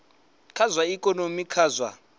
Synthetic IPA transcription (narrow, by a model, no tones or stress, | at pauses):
kʰazwaikʼɔnomikʰaːzwa̰